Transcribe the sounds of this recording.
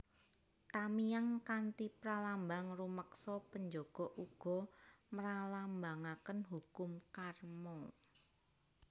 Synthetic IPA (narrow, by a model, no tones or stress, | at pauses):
t̪amijaŋkant̪ipɾalambaŋruməksɔpəɲd͡ʒɔɡ̥ɔ̤ʔuɡ̥ɔ̤məɾalambaŋakənɦukʊmkarmɔŋ